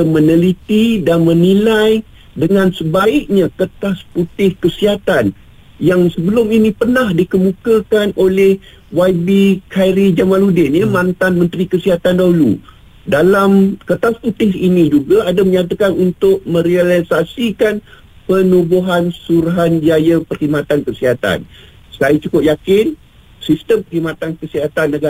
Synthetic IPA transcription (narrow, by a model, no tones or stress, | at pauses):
əmənəlit̪idanmənilaj | dəŋãnsəbaɪk̚ɲakət̪asput̪ɪhkəsiɦat̪an | jaŋsəbəlʊminĩpərnahdikəmũkakanʔolɛh | waibikʰajɾid͡ʒamãludɪnjamant̪anmə̃nt̪ɾikəsiɦat̪andaɦulṵ | dalamkət̪asput̪ɪsinĩd͡ʒuɡaadaməɲat̪̬akanunt̪ʊʔ̚mə̃ɾialisasikan | pənubuɦansuɾaɦand͡ʒajəpərhimat̪ankəsiɦat̪a̰n | sajat͡ʃukʊp̚jakɪn | sist̪əmpərhimat̪ankəsiɦat̪anːəɡa